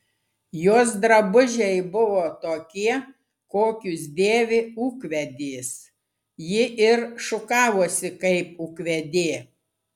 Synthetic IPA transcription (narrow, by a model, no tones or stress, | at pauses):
joːsd̪ɾɐbʊʒʲɛɪbʊʋoːt̪oːkʲiɛ | koːkʲʊsd̪ʲeːʋʲɪuːkʋʲɛd̪ʲeːs | jɪʔɪɾʃʊkɑːʋoːsʲɪkɐɪpʊkʋʲɛd̪ʲeː